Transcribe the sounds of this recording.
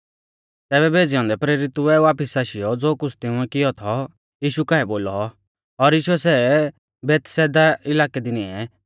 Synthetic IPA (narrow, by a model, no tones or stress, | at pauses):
t̪ɛːβɛbʱeːd͡zɪjɔ̃ːnd̪ɛpɾeːɾɪt̪uɛaːpɪsaːʃɪjɔd͡zoːkʊt͡sʰt̪ɪ̃ʊ̃ɛkɪjɔt̪ʰɔ | jiːʃukaːɛboːlɔ | ɔɾjiːʃuɛsɛ | bɛːt̪sɛːd̪aɪlaːkɛd̪ɪniɛ